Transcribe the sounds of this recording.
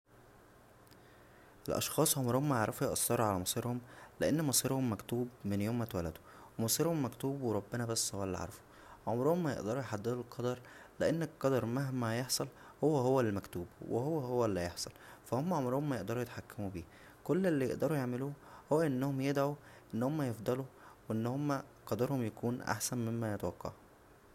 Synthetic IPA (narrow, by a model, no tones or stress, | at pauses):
ʔelʔɑ̰ʃxɑːsˤʕomɾohomːæjeʕɾˤɑfujʔɑsˤːɑɾˤuʕalæmɑsˤiːɾhomleʔenːmɑsˤiːɾhomːækt̪uːbmenjoːmːæt̪wælæd̪o̥ | wemɑsˤiːɾhomːækt̪uːbweɾˤɑbːenæbæsːhowælːḭʕɑ̰ɾˤɑfu̥ | ʕomɾohomːæjḛʔd̪ɑɾˤujħad̪ːed̪ulqʰɑd̪ɑɾˤleʔenːeqːɑd̪ɑɾˤmaɦmæjeħsˤɑl | howːæɦowːællmækt̪uːbwehowːæhowːælːijeħsˤɑlfæhomːæʕomɾohomːæjeʔd̪ɑɾˤujet̪ħakːæmubiː | kolːelːijeʔd̪ɑɾˤujeʕmeluːhowːæʔenːohomjed̪ʕuʔenːhomːæjefd̪ˤɑluweʔenːhomːæqɑd̪ɑɾhomjækuːnʔa̰ħsænmemːæjet̪wɑqːɑ̰ʕu